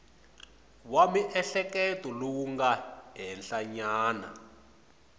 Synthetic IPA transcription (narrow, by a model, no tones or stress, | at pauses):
wamiʔɛɬɛkɛtɔlowuŋɡaɦɛnɬaɲaːna̰